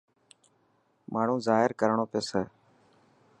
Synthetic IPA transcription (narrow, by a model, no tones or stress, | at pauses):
mʔaːɳ̤ũːzaːɦɪɾkəɾɳoːpɪjoːseː